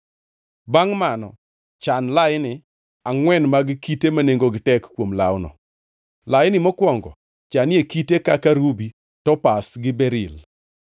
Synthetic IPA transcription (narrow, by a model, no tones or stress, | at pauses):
baŋmanɔ̰ | t͡ʃanlajɪnɪ | aŋwɛnmaɡɪkitemaneŋɡoɡɪtɛkkːwomla̰wnɔ̰ | lajɪnɪmɔkwɔŋɡɔ̰ | t͡ʃanɪekitekakaɾubi | tɔpasɡɪbɛɾɪl